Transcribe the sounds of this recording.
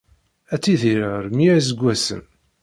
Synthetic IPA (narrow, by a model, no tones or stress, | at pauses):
æt͡sːiðiɾəʁɾmiz̬əɡʷːæsə̰n